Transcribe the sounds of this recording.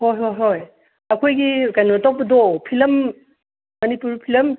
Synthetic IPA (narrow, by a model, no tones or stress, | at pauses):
hojɦojɦoj | ɐkʰojɡikajnotɔk̚pɐdɔpʰilɐmː | ɐnipuɾpʰilɐm